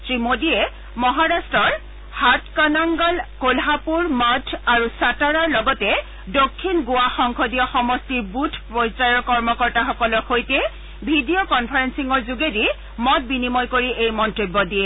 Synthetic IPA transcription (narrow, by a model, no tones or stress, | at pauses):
sɹimodiɛ | mɔɦaɹastɹɔɹ | hatkɔnaŋɡɔlkolɦapuɹmatʰaɹusataɹaɹlɔɡɔtɛ | dokʰːinɡʊwaxɔŋkʰodijɔxɔmɔstiɹbutʰpɹɔjsajɔɹkɔɹmɔkɔɹtaxɔkɔlɔxojtɛ | bʱidiokɔnpʰaɹensiŋɔɹzuɡedi | mɔt̚binimɔjkoɹiʔejmɔntibːɔdijɛ